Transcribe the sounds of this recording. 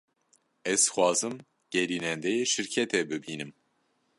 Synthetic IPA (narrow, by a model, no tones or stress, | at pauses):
ɛz̥xʷwɑːzɨm | ɡ̥ɛɾiːnɛnd̪ɛjeːʃɨɾkʰɛt̪ʰɛbɨbiːnɨm